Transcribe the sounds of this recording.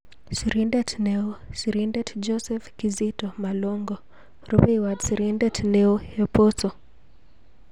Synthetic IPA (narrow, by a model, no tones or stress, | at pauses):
sɾindɛtʰneosiɾindɛtʰd͡ʒɔsɛfkizitomaloŋɡɔ | robiwadsiɾindɛtʰneoeposo